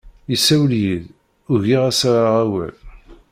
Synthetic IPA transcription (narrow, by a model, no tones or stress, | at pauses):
jisːæwljið | ʊʝiʁæsaɾaʁæwæ̰l